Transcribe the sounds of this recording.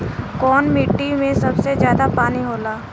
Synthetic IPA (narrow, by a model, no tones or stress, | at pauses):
kɔːnmiʈːimẽsɐbsezjaːd̪apaːniɦoːlaː